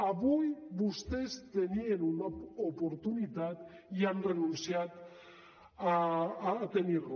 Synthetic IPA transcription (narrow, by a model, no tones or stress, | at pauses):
aβujbust̪e̞st̪enienunaopoɾt̪unit̪at̪ | janrenunsiat̪ | t̪eniɾu